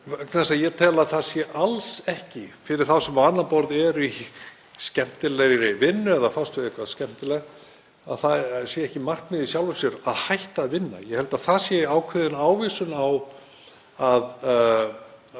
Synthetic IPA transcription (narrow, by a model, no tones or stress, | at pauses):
knasajɛt̪ʰɛːlaðθaðsjɛʔalsɛhcɪfɪɾɪɾ̥θawsɛmanːapɔɾðɛɾi | scɛm̥t̪ɪlɛɣɾɪvɪnːʏɛðafast̪vɪðɪhkʰvaðscɛm̥t̪ɪlɛɣ | aðθaðsjɛɛhcɪmar̥kmɪðisjawlvʏsjʏɾaðhajht̪aːðvɪnːa̰jɛhɛlt̪aðθasjɛaːwkʰʏðɪnaːwviːsʏnaw | að